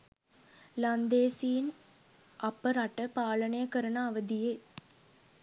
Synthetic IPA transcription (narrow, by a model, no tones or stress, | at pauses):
lɐnd̪eːsijn | ɐpːɐɾɐʈːɐpaːɭɐɳejɐkɐɾɐnaːʋɐd̪ijeː